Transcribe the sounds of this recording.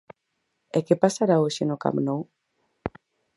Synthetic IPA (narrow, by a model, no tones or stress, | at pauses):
ekepasaɾaoʃenoka̰mnow